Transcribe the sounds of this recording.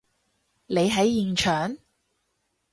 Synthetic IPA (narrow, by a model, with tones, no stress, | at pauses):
le˨˧jɦɐ˨˥jːiː˨nt͡ʃʰœː˨ŋ